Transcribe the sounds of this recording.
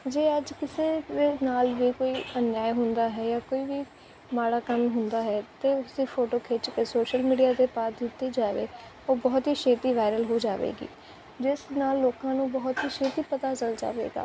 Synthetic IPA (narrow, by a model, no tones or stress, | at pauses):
d͡ʒeːəd͡ʒkɪseːenaːlʋiːkoːiːənjaːiɦʊnd̪aːɦɛːjaːkoːiːʋiː | maːɽaːkəmɦʊnd̪aːɦɛːt̪eːʊsiːpʰoːʈoːkʰeːt͡ʃkəsoːʃəlmiːɖijaːd̪eːpaːɾd̪ɪt̪ːeːd͡ʒaːʋḛː | oːbɔːt̪ɦiːʃeːt̪iːʋaːɪɾəlɦoːd͡ʒaːʋḛːɡḭː | d͡ʒɪsnaːlːoːkãːnũːbɔːt̪ɦiːʃeːt̪iːpət̪aːt͡ʃəld͡ʒa̰ːʋḛːɡa̰ː